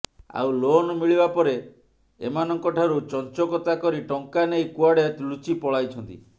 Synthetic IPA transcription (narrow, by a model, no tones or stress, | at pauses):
a̰wlonɔmiɭibapɔɾe | ḛmanɔŋkɔʈʰaɾut͡ʃɔnt͡ʃɔkɔt̪akɔɾiʈɔŋkanejkuaɽet̪lut͡ʃipɔɭajt͡ʃʰɔnt̪ḭ